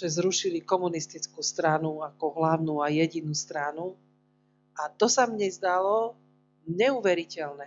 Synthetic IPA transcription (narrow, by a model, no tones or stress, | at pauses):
ʒɛzɾuʃilikɔmunist̪it͡skuːst̪ɾanuakɔɦlaʊnuːajɛɟinuːst̪ɾanu | at̪ɔsamɲɛzd̪alɔ | ɲɛuʋɛɾicɛlnɛ